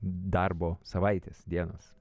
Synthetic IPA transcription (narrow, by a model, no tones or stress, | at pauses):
d̪ɐrboːsɐʋɐɪt̪ʲesd̪ʲiɛno̰ːs